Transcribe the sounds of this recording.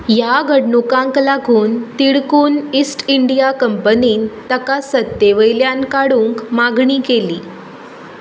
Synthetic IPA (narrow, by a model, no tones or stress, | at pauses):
jaɡʱəɽɳukãŋklaɡʱuːnt̪iɽkuːnisʈiɳɖijakəmpəniːnt̪əkasət̪ːeʋəjljankaɽuːŋkmaɡɳiːkeliː